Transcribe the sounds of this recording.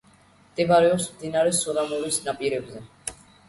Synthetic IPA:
t̪ʼɛbaɾɛɔsmd̪inaɾɛsɔd̪amɔɾisnapʼiɾɛbzɛ

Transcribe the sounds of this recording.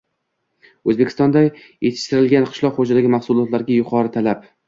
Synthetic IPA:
ɵzbe̞kʲʰɪ̥st̪ɒnd̪a | jet̪ʰɪ̥ʃt̪ɪɾɪlɡʲanqʰɨ̥ʃlˠɒqχod͡ʒad̪aɡʲɪmahsʊlˠɒt̪laɾɡʲajʊqʰɒɾɪt̪ʰalap

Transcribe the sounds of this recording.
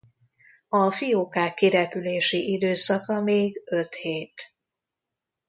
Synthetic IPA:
ɒfijoːkaːkːiɾɛpyleːʃiʔid̪øːsɒkɒmeːɡø̞t̪heːt̪

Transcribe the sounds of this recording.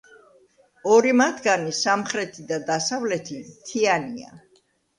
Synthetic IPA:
ɔɾimat̪ʰɡanisamχɾɛt̪ʰid̪ad̪asavlɛt̪ʰimt̪ʰiania̰

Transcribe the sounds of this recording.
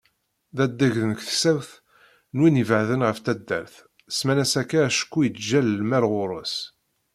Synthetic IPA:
ðæd̪ːæʝðənəkθsæwθ | nwinəvʕðənʁəft̪æd̪ːæ̰ɾθ | smænæsækːaæʃə̥kːujət͡sːʒællmæɾʁʊɾˤos

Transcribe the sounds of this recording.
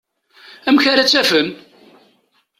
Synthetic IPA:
æmçaɾat͡sːæfən

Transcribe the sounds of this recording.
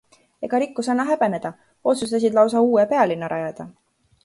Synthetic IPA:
e̞ɡ̥ɑɾikːusɑnːɑɦæb̥e̞ne̞d̪̥ɑ | o̞t̪sust̪ɑs̬id̪lɑwsɑuːepe̞ɑlinːɑɾʔɑjɑd̪̥ɑ

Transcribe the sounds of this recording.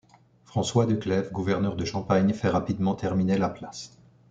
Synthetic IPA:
fχɑ̃swad̪əklɛvɡuvɛʁnœʁd̪əʃɑ̃paɲfɛʁapid̪mɑ̃t̪ʰɛʁminelaplas

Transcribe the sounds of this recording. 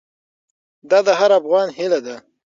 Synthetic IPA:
d̪ɑd̪əɦaɾafɣɑnhɪlad̪a

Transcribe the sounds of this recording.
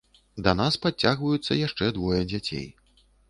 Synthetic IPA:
d̪ɐnaspɾat͡sʲːaɣvɐjut̪sːɐ̰jaʂt͡ʂɛd̪vɔjɐd͡zʲat͡sʲḛj

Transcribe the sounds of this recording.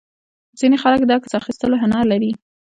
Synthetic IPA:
z̥inexaləkd̪ɑkḁsɑxist̪əloɦanɑlaɾi

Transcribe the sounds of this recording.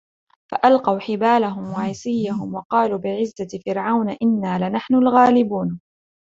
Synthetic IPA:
faʔalqɑwħɪbaːlaɦʊmwaʕɪsɪjːaɦʊmwɑqɑːluːbɪʕɪzːafɪɾʕawnʔɪnːaːlɪnaħnʊlɣaːlɪbuːn

